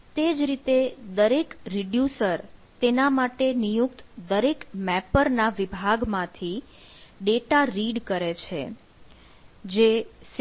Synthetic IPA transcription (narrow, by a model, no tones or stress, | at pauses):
t̪ed͡ʒɾit̪ed̪əɾekɾiɖjusəɾt̪enamaʈenijuk̚t̪d̪əɾekmɛpəɾnaʋibʱaɡmãt̪ʰi | ɖeʈaɾiɖkəɾet͡ʃʰe | d͡ʒes